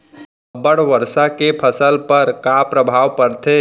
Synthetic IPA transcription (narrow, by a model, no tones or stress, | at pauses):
bəɽʋəɾsakepʰəsəlpəɾkapɾəbʱaːʋpəɾt̪ʰe